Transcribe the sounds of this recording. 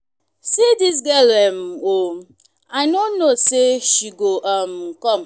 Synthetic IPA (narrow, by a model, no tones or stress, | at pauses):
sidis̬ɡɛlɛm̩o | aɪnonnːoseʃiɡoʔam̩kɔm̩